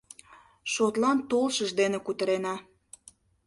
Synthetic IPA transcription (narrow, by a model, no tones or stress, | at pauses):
ʃot̪lɑnt̪olʃəʒd̪enekut̪əɾenɑ